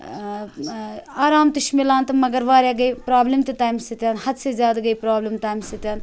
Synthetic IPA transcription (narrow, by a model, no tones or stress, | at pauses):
aːɾaːmt̪ɐʃmilãːnt̪ɐmɐɡɐɾʋaːɾjaːɡɐjpɾaːblimt̪it̪aːjmsit̪ʲjaːnhɐd̪sezʲjaːd̪ɡɐjpɾaːblimt̪aːjmsit̪jaːn